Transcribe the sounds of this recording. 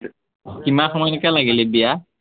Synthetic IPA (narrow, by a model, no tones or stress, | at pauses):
kimaxɔmɔjnɛkalaɡilibija